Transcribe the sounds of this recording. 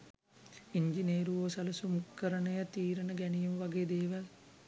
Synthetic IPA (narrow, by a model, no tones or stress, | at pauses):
iɲd͡ʒineːɾuʋoːsɐləsumukːəɾənəjət̪iːɾənəɡænijumʋaɡeːd̪eːʋal